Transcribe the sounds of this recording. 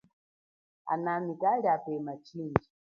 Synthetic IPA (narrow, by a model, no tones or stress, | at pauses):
a̰namikaliapɛmat͡ʃʰind͡ʒi